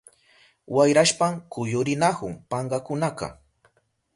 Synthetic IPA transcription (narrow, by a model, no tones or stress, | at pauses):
wajɾaʃpaŋkʊjʊɾɪnakʊŋpɑɴɢɑkʊnakɑ̰